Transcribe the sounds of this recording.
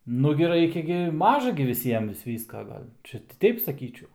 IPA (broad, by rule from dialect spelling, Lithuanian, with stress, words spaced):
ˈnʊɡʲɪ ˈrɐɪkʲɛ ɡʲɪ ˈmɑːʒɐ ɡʲɪ ʋʲɪˈsʲiɛm ʋʲɪs ˈʋʲiːskɐ ˈɡɐlʲ ˈt͡ʃʲɛ ˈtʲɛɪp sɐˈkʲiːt͡ʃʲɛʊ